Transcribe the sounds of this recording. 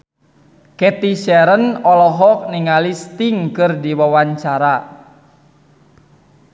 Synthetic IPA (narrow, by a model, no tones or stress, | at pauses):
kɛt̪iʃɛɾənɔlɔɦɔk̚niŋalist̪iŋkɨrdiwawaɲt͡ʃaɾa